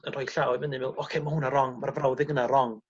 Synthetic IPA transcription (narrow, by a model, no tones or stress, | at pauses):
ənrɔjɬaɔɨmənɪmvɪlˠɔkʰejmahunaɾɔŋmarvrawðɪɡənaɾɔŋ